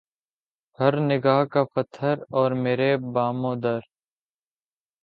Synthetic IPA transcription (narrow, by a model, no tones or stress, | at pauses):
hɐɾnɪɡaːɦkafət̪ʰəɾɔːɾmeːɾebaːmõːd̪əɾ